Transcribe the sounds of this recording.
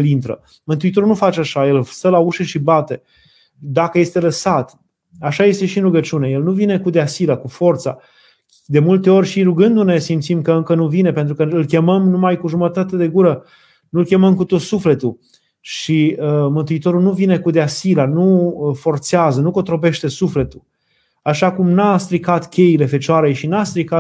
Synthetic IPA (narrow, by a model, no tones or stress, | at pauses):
elint̪ɾə̰ | mɨnt̪uit̪o̞ɾulnufat͡ʃeaʃajelst̪əlauʃeʃibat̪e̞ | d̪akəje̞st̪e̞ləsat̪ | aʃaje̞st̪e̞ʃiɨnɾuɡət͡ʃune̞je̞lnuvine̞kud̪easilakufo̞rt̪sa̰ | d̪e̞mult̪e̞o̞rʲʃiɾuɡɨnd̪une̞simt̪simkəɨŋkənuvine̞pe̞nt̪ɾukəɨlkʲe̞məmnumajkuʒumət̪at̪ed̪e̞ɡuɾə | nuɨlkʲe̞məmkut̪o̞t̪sufle̞t̪u | ʃiəmɨnt̪uit̪o̞ɾulnuvine̞kud̪easilanufo̞rt̪seazənukot̪ɾo̞pe̞ʃt̪e̞sufle̞t̪u | aʃakumnast̪ɾikat̪kʲe̞jile̞fe̞t͡ʃoaɾe̞jʃinast̪ɾika